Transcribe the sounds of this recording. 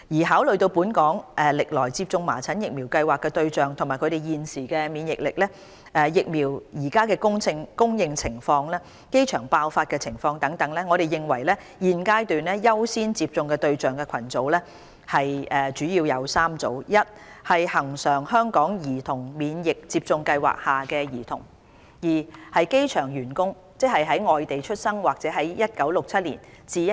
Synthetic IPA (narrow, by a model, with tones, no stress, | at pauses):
jiː˨˩ɦaː˨˥wlɵ˨ɥt̪o˧wpuː˨˥nkɔː˨˥ŋʔɛː˨lɪ˨k̚lɔː˨˩jt͡si˧p̚t͡sʊ˧ŋma̰ː˨˩t͡sʰɐ˨˥njɪ˨k̚miː˨˩wkɐ˧jwaː˨kːɛː˧t̪ɵ˧ɥt͡sœː˨ŋt̪ʰmaː˨˩kʰɵ˨˧t̪e˨˩jiː˨˧nsiː˨˩kɛː˧miː˨˧njɪ˨k̚lɪ˨k̚lɛ˥ | ʔɛː˨jɪ˨k̚miː˨˩wjiː˨˩kaː˥kɛː˧kʊ˥ŋt͡sʰɪ˧ŋkʊ˥ŋjɪ˧ŋt͡sʰɪ˨˩ŋfɔː˧ŋlɛː˥ | ke˥jt͡ʃʰœː˨˩ŋpaː˧wfaː˧t̚kɛː˧t͡sʰɪ˨˩ŋfɔː˧ŋt̪ɐ˨˥ŋt̪ɐ˨˥ŋlɛː˥ŋɔ˨˧ɾe˨jɪ˨ŋwɐ˨˩jlɛː˥ | jiː˨˧nkaː˥jt̪yː˨nlɛː˥jɐ˥wsiː˥nt͡siː˧p̚t͡sʊ˨˧ŋkɛː˧t̪ɵ˧ɥt͡sœː˨˩ŋkɛ˧kʰɐ˨˩nt͡so˨˥wlɛː˥ | hɐ˨jʔɛ˨˩t͡ʃyː˨˥jiː˧wjɐ˨˧wsaː˥mt͡so̰˨˥wjɐ˥t̚hɐ˨jhɐ˨˩ŋsœː˨˩ŋɦœː˥ŋkɔː˨˥ŋjiː˨˩t̪ʰʊ˨˩ŋmiː˨˧njɪ˨k̚t͡siː˧p̚t͡sʊ˧ŋkɐ˧jwa̰ː˨k̚haː˨˩kɛː˧jiː˨˩t̪ʰʊ̰˨˩ŋ | jiː˨˩hɐ˨jke˥jt͡ʃʰœː˨˩ŋjyː˨˩nkʊ˥ŋ | t͡sɛ˥k̚hɐ˨jɦɐ˨˥jŋɔː˨jt̪e˨jt͡ʃʰɵ˥t̚sɐ˥ŋwaː˨k̚t͡sɛː˨˥ɦɐ˨˥jjɐ˥t̚kɐ˨˥wlʊ˨k̚t͡sʰɐ˥t̚lḭː˨˩n | t͡siː˨